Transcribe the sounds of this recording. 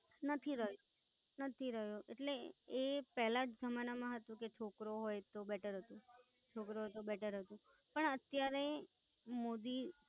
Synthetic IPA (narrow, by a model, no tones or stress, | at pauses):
nət̪ʰiɾəɦjo | nət̪ʰiɾəɦjoʔḛʈleepɛɦlad͡ʒd͡ʒʱəmanamãɦət̪ũket͡ʃʰokɾoɦojt̪obɛʈʰəɾɦət̪ũ | t͡ʃʰokɾoɦojt̪obɛʈʰəɾɦət̪ũ | pəɳət̪jaɾe | mod̪i